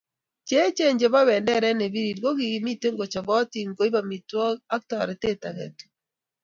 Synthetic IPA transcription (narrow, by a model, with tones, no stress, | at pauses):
t͡ʃe˦t͡ʃe˦ɲd͡ʒe˨βa˦βɛː˨ndɛ˦ɾɛ˦ne˨βi˦ɾiɾɡo˦ɣi˨ɣi˨mi˦te˦ŋɡo˨t͡ʃa˨βɔ˦ti˨ŋɡo˨˦i˦βa˨mitwɔ˦a˦k̚ta˨ɾe˨te˦ta˨ɣḛ˨tu̥